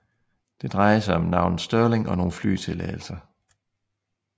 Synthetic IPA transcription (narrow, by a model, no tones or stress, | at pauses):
d̥e̝d̥ʁɑ̈ɪɐsɑ̈ɪɒ̽mnɑ̈ʊ̰nð̩ˠsd̥œɐle̝ŋɒ̽no̝ːn̩fly̰ːt͡sʰe̝lɛ̰ːɪl̩sɐ